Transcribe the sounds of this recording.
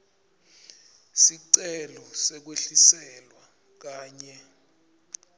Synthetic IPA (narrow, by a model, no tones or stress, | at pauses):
siǀɛlɔsɛk̬weɬisɛlwa | k̬aːɲɛ